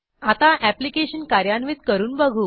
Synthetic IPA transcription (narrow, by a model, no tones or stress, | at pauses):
at̪aʔæplikeɕənkaɾjanʋiːt̪kəɾuːnbəɡʱu